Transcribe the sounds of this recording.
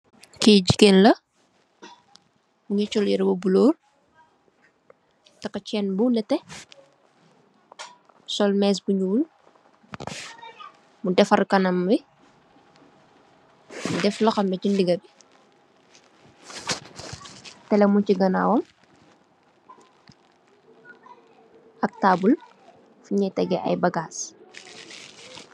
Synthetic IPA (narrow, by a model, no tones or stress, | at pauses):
kiɟikenlɐ | muɲɐt͡ʃɔljɛɾbobuloːl | tɐkːɐt͡ʃɛnbunɛtɛ | sɔlmɛːs̬buɲul | mudɛfɐɾkɐnɐmbi | mudɛflɔxɐmɛcindiɡɐbi | tɛlɛmuciɡɐna̰wɔm | ɐk̚taːbul | fiɲɛtɛɡɛʔɐ̰jbɐɡaːs